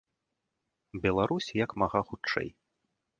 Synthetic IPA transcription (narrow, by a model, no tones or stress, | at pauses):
bʲɛlˠaɾusʲjɐkmaɣaxut͡ʂːɛ̰j